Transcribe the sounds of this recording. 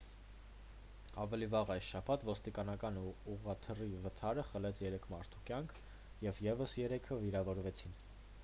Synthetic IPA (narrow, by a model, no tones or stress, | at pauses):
ɑvɛlivɑʁɑjsʃɑpʰɑt̪vɔst̪ikɑnɑkɑnuʁɑt̪ʰərivət̪ʰɑɾəχəlɛt͡sʰjɛɾɛkʰmɑɾt̪ʰu̥kjɑŋkʰ | jɛvjɛvəsjɛɾɛkʰəviɾɑvɔɾvɛt͡sʰin